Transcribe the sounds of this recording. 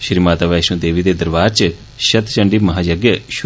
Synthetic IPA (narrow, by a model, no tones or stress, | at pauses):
ʃɾiːmaːt̪aːʋɛːʃũːd̪eːʋiːd̪eːd̪əɾʋaːd͡ʒt͡ʃə | ʃət̪t͡ʃə̃ɳɖiːmɐɦaːd͡ʒaɡjəʃ